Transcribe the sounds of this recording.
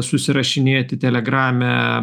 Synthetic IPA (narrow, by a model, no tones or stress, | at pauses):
sʊsʲɪɾɐʃʲɪnʲeːt̪ʲɪt̪ʲɛlʲɛɡɾɑːmʲɛ